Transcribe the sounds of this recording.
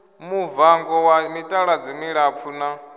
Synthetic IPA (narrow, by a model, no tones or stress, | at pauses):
muvaŋɡɔwamitʼaɺad͡zimiɺap̪fʰuna